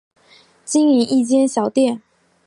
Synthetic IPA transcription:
t͡ɕi˥ŋi˨˩nʔi˥˩t͡ɕjɛ˥nɕjɑ˨˩ʊt̪jɛ˥˩n

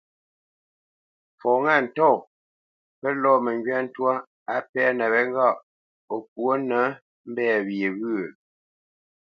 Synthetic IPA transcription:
fɔ˨ŋa˦˨n̩˨tɔ˦˨ | pə˦lɔː˦˨mə˨ŋɡɥa˦n̩˦twa˦ | a˨pɛ˦nɛ˨βɛ˦ŋ˦ɡa˦˨ʔ | o˨k̚wo˦nə˨˦ | m̩˦bɛ˦˨βje˨ɣɯ˦˨

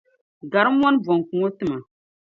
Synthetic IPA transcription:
ɡa˨ɾɨ˦mː˦wɔ˦n˦bɔ˨ŋ˨kũ˨ŋo˦tɨ˦ma˨

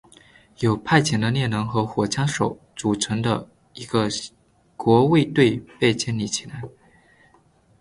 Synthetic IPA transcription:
jo˨˩ʊpʰa˥˩ɪt͡ɕʰjɛ˨˩nd̪ə˧njɛ˥˩nnɤ˧˥ŋxɤ˧˥xwɔ˨˩t͡ɕʰjɑ˥ŋʂo˨˩˦ʊ | t͡su˨˩ʈ͡ʂʰɤ˧˥ŋd̪ə˧ | i˧˥ɡə˧ | kwɔ˧˥we˥˧ɪt̪we˥˧ɪpe˥˧ɪt͡ɕjɛ˥˧nli˥˩t͡ɕʰi˨˩la˧˥ɪ

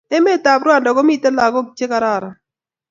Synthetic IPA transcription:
ɛ˦me˦˨ta˨bɾwa˦˨dɔ˨ɡɔ˦mi˦˨tɛ˦la˨ɡɔ˦t͡ʃe˦ka˦ɾa˨ɾa˨

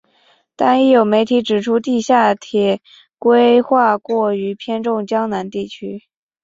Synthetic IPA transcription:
t̪a˥ni˥˩jo˨˧˩ʊme˧˥ɪt̪ʰi˧˥ʈ͡ʂɻ̩˨˩ʈ͡ʂʰu˥t̪i˥˧ɕja˥˩t̪ʰjɛ˨˩ | kwe˥ɪxwa˥˧kwɔ˥˩y˧˥pʰjɛ˥nʈ͡ʂʊ˥˩ŋt͡ɕjɑ˥ŋna˧˥nt̪i˥˩t͡ɕʰy˥

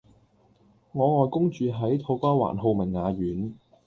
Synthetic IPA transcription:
ŋɔː˨˧ŋɔː˨˧jkʊ˥ŋt͡ʃyː˨˧ɦɐ˨˥jt̪ʰo˨˥wkʷaː˥wa̰ː˨˩nɦo˧wmɐ˨˩ŋŋaː˨˧ɥyː˨˥n

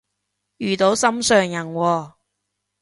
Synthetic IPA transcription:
jyː˨t̪o˨˥wsɐ˥msœː˨ŋjɐ˨˩nwɔː˧

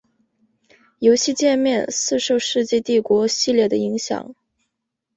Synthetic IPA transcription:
jo˧˥ʊɕi˥˧t͡ɕjɛ˥˧nmjɛ˥˧nsɹ̩˥˧ʂo˥˧ʊʂɻ̩˥˧t͡ɕjɛ˥˧t̪i˥˩kwɔ˧˥ɕi˥˧ljɛ˥˩d̪ə˩i˧˥ŋɕjɑ̰˨˩˦ŋ

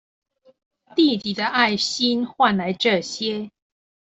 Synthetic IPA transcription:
t̪i˥˨t̪i˨˩d̪ə˦ʔa˥˨ɪɕi˦nxwa˥˨nla˨˦ɪʈ͡ʂɤ˥˨ɕjɛ˦

